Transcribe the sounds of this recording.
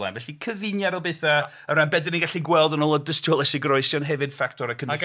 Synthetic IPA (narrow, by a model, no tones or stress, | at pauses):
la̰nvɛɬikʰəvɨnjaɾɔlˠbeθə | əɾanbɛdɪniŋɡaɬiɡwɛlˠdənɔlˠɔdəstʰɔlˠɛsiɡrɔɨsjɔnɦɛvɨd̥fak̚tʰɔɾəkʰən